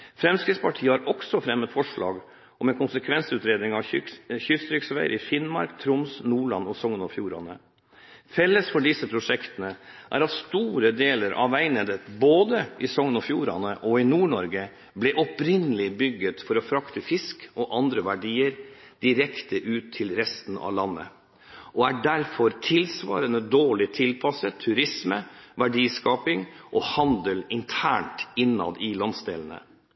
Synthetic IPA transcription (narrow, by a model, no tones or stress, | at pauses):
fɾɛmskɾɪd̪spʰɑʈʰiːəhɑɾɔksɔfɾɛmət̪fɔʂɭɑ̰ːɡ | ʔɔmɛnkʊnsəkʰʋɛnsʉːt̪ɾeːd̪nɪŋɑʋçʏst̪ɾʏksʋæ̰ɪɾɪfɪnmɑ̰ɾkt̪ʰɾʊmsnuːɭɑ̰nɔsɔŋːənɔfjuːɾɑ̰nə | fɛlːəsfɔɖɪsəpʰɾʊʂɛkt̪ənəʔæ̰ɾɑʋst̪uːɾəd̪eːləɾʔɑ̰ʋæɪnəd̪ət̪boːd̪əʔɪsɔŋːənɔfjṵːɾɑ̰nəʔɔɪnuːɳɔɾɡə | blɛʔɔpɾɪnəlɪbʏɡːət̪fɔɾɔfɾɑkt̪əfɪskɔʔɑnd̪ɾəʋæɖiːəɾ | d̪̥ɪɾɛkt̪əʔʉːt̪ʰːɪlɾɛst̪n̩ɑ̰ʋlɑnːə̰ | ʔɔæɖæɾfɔɾt̪ʰɪlsʋɑ̰ːɾənəd̪oːɭɪt̪ʰɪlpʰɑsət̪ʰʉɾɪsməʋæɖiːskɑːpɪŋʔɔhɑnd̪əlɪnt̪ʰæːɳʈɪnːɑ̰d̪ɪlɑnsd̪eːlənə̰